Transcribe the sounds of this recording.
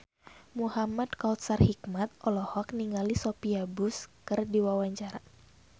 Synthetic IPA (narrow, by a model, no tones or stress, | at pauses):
muhamadkaut̪sarhik̚mat̪̚ʔɔlɔhɔk̚niŋalisopiabʊskɨrdiwawaɲt͡ʃaɾa